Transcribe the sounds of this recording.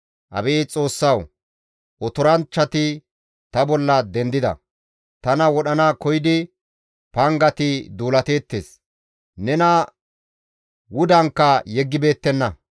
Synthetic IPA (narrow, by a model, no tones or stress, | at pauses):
ʔɐ̰beːt͡sʼo̞ːsːɐw | ʔɔt̪ɔɾɐnt͡ʃːɐt̪ɪ | t̪ɐbɔlːɐd̪ɛnd̪ɪd̪ɐ̰ | t̪ɐnɐwɔɗɐnaːkɔjɪd̪ɪ | pɐŋɡɐt̪ɪd̪uːlɐt̪e̞ːt̪ːe̞̰ːs | nɛnɐ | wʊd̪ɐŋkːɐjɛɡːɪbe̞ːt̪ːɛnːɐ